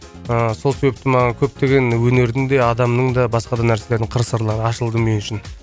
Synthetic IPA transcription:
əso̞lˠse̞be̞p̚t̪ɪmɑʁəkʲʰɵp̚t̪e̞ɡʲe̞nwɵne̞ɾd̪ɪŋd̪e̞ɑd̪ɑmnəɴd̪ɑbɑsqɑd̪ɑnæɾsee̞ɾd̪ɪŋqʰəɾsəɾlˠɑɾəɑʃəlˠd̪əmʏjɪnʃɪn

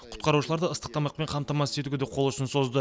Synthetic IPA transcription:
qʰʊ̥t̪̚qɑɾuʃ̬əlˠɑɾd̪əəst̪ə̥q̚t̪ɑmɑq̚pe̞ɴqʰɑmt̪ɑmɑsɪset̪uɡʲeeqʰo̞lˠʊʃɪnso̞zd̪ə

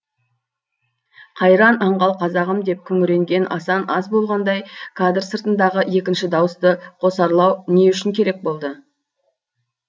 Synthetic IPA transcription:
qʰɑjɾɑnɑɴʁɑlˠqʰɑzɑʁəmd̪e̞p̚kʲʰʏŋɪɾe̞ŋɡʲe̞nʔɑsɑnɑzbo̞lˠʁɑnd̪ɑjkʰad̪rsəɾt̪ənd̪ɑʁəe̞kʲɪnʃɪd̪ɑwəst̪əqʰo̞sɑɾlˠɑwne̞ʏʃɪŋkʲʰe̞ɾe̞k̚bo̞lˠd̪ə

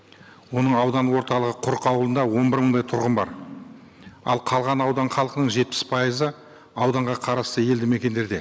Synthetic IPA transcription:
wo̞nəɴɑwd̪ɑnwo̞ɾt̪ɑlˠəʁəqʰʊɾqɑwlˠənd̪ɑwo̞nbɪɾməɴd̪ɑjt̪ʰʊɾʁənbɑ̰ɾ | ɑ̰lˠqʰɑlˠʁɑnɑwd̪ɑɴχɑlˠəqənəɴʒe̞t̪̚pɪ̥spʰɑjəzə | ɑwd̪ɑɴʁɑqʰɑɾɑst̪əje̞ld̪ɪme̞kʲe̞nd̪e̞ɾd̪e̞

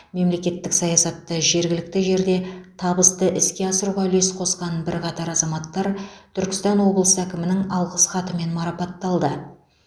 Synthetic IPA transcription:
me̞mle̞kʲe̞t̪ːɪksɑjɑsɑt̪ːəʒe̞ɾɡʲɪlɪk̚t̪ɪʒe̞ɾd̪e̞t̪ʰɑbəst̪əʔɪskʲe̞ɑsəɾuʁɑle̞sqʰo̞sqɑnbɪɾqʰɑt̪ɑɾɑzɑmɑt̪ːɑɾt̪ʰʏɾkʲɪ̥st̪ɑnwo̞bəlˠəsəækʲɪmɪnɪŋɑlˠʁəsχɑt̪əme̞nmɑɾɑpɑt̪ːɑlˠd̪ə

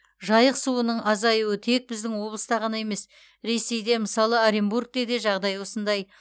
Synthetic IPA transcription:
ʒɑjəqsuənəɴʔɑzɑjuwət̪ʰe̞k̚bɪzd̪ɪŋwo̞blˠəst̪ɑʁɑnɑe̞me̞s | ɾe̞se̞jd̪e̞məsɑlˠəaɾimbuɾk̚t̪ed̪eʒɑʁd̪ɑjwo̞sənd̪ɑj

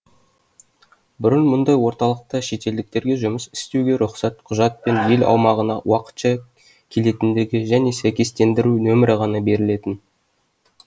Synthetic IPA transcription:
bʏɾənmʊnd̪ɑjwo̞ɾt̪ɑlˠəq̚t̪əʃe̞t̪e̞ld̪ɪk̚t̪e̞ɾɡʲe̞ʒʊməsɪ̥st̪e̞wɡʲe̞ɾʊχsɑt̪qʰʊʒɑt̪̚pe̞nje̞lɑ̰wmɑʁənɑwʔɑqə̥t̪ʃɑ | kʲʰe̞le̞t̪ɪnd̪e̞ɡʲɪʒæne̞sæjkʲe̞st̪e̞nd̪ɪɾunɵmɪɾɪʁɑnɑbe̞ɾɪle̞t̪ɪn

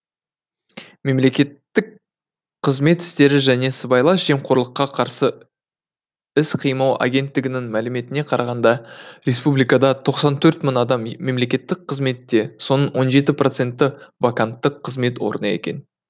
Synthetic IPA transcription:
me̞mle̞kʲe̞t̪ːɪk̚ | qʰəzme̞t̪ɪ̥st̪e̞ɾɪʒæne̞səbɑjlˠɑsʒ̥e̞mqʰoɾlˠəqːɑqʰɑɾsə | ɪsqʰijmɑwʔa̰ɡʲe̞nt̪ːɪɡʲɪnɪŋmælɪme̞t̪ɪne̞qʰɑɾɑʁɑnd̪ɑɾʲe̞spublijkɑd̪ɑt̪ʰo̞qsɑnt̪ʰɵɾt̪mənɑd̪ɑmme̞mle̞kʲe̞t̪ːɪk̚qʰəzme̞t̪ːe̞so̞nənwo̞nʒe̞t̪̬ɪpro̞t̪se̞nt̪ːɪvakant̪ːəqʰːəzme̞t̪wo̞̰ɾənɑe̞̰kʲe̞̰n

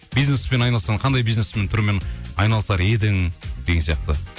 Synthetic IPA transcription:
b̥ijznespenɑjnɑlˠsɑɴqʰɑnd̪ɑjbijzne̞sme̞nt̪ʰʊɾmenɑjnɑlˠəsɑɾed̪ɪŋd̪eɡʲeŋsijɑ̰q̚t̪ə

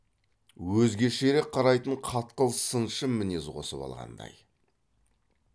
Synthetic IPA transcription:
wɵzɡʲe̞ʃeɾek̚qʰːɑɾɑjt̪əɴqʰɑt̪qəlˠsənʃəmːɪnezqʰo̞̰səpɑ̰lˠʁɑ̰nd̪ɑ̰j

